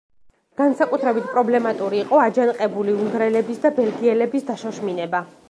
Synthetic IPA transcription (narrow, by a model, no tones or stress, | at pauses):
ɡ̥ansakʼut̪ʰɾɛbit̪̚ʰpʼɾɔblɛmat̪ʼuɾiːqʼɔad͡ʒanqʼɛbuliuŋɡɾɛlɛbisd̪abɛlɡiɛlɛbisd̪aʃɔʃminɛba